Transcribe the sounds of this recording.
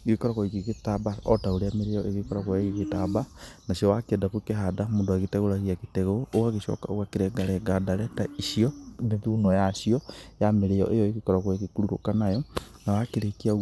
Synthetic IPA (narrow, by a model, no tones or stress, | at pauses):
ekekɔɾakɔikiketabaɔtaoɾeameɾejɔʔeɣekɔɾakwaɣiketabanaʃiɔwakiɛdakokeɦadamondoaɣetɛɣoɾaɣiaketɛɣooaɣeʃɔ̰ka̰o̰ɣwakeɾɛɡaɾɛɡadaɾɛtaiʃiɔmeðuːnɔjaʃiɔjameɾejɔ̰ʔejɔeɣekɔɾaɣwekekuɾuɾokanajɔnawakeɾekia